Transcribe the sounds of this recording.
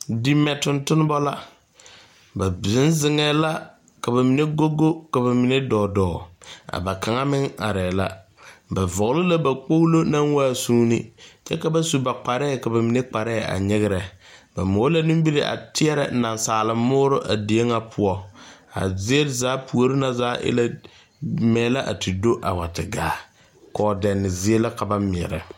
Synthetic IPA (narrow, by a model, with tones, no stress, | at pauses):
di˨˦mɛ˨tʊ˨ntʊ˦n˦bɔ˦la˦ | ba˨bzɪ˦n˦zɪ˦ŋɛː˦la˦ | ka˨ba˨mi˨ne˦ɡo˦ɡo˦ka˨ba˨mɪ˨ne˦dɔː˨dɔː˨a̰˨ba˨ka˨ŋa˦mɪ˦ŋa̰˨ɾɛː˨la̰˦ | ba˨vɔ˨ɣlʊ˦la˦ba˨k͡po˦lo˦na˦ŋwaː˦˨suː˦nɪ̰˦t͡ʃɛ˦ka˦ba˦su˨ba˨k͡pa˨ɾɛː˦˨ka˨ba˨mi˨ne˦k͡pa˨ɾɛ˦˨a̰˨ɲɪ˦ɣɪ˦ɾɛ˨ | ba˨moː˨˦la˦nɪ˦m˦bi˦ɾɪ˦ʔa̰˨tɪ˦ɛ˦ɾɛ̰˨na˨nsaː˨lɪː˨˦ʊː˦ɾʊ˦ʔa˨di˨e˦ŋa˦pʰʊ˦ɔ˦a̰˨zɪ˦e˦lzaː˨˦pʰu˨o˨ɾɪ˦na˦zaː˦ʔɪ̰˦la˦ | mɛː˨˦la˦ʔa̰˨ti˨do˦ʔa˨wa˨tɪ˨ɡaː˨ | kɔː˨˦dɛ˨nːɪ˨zɪ˦e˦la˦ka˨ba˦mɪ˨ɛ̰˨ɾɛ̰˨